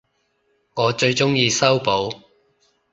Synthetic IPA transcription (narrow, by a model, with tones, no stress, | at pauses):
ŋɔː˨˧t͡ʃɵ˧ɥt͡ʃʊ˥ŋjiː˧sɐ˥wpo˨˥w